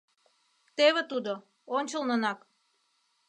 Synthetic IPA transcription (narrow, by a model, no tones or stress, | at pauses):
t̪eβĕt̪ud̪o | onʲt͡ɕəlnənɑk